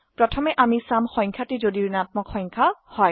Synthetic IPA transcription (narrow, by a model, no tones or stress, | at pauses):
pɹɔtʰɔmɛʔamisamxɔj̃ŋkʰatizodiɹnat̚mɔkxɔjŋkʰahɔj